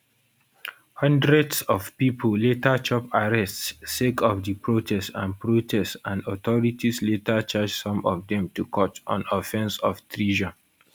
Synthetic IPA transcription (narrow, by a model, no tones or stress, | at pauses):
hʌ̃ndɹɛdsɔvpipʰlletat͡ʃɔpaɹɛstsekʰɔfdipɹotʰɛstãnpɹotʰɛstãndɔtɔɹitisletat͡ʃad͡ʒsɔ̃mɔ̰vdɛ̃mtukʰɔtɔ̰̃nɔfɛ̃nsɔftʰɹiʒa